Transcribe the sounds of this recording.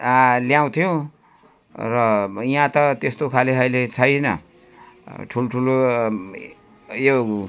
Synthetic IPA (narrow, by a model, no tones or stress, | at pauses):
ljaw̃t̪ʰijõ | rʌjãt̪ʌt̪est̪okʰaleɦʌjlet͡sʰʌjnʌ̰ | ʈʰuloʈʰulo | jo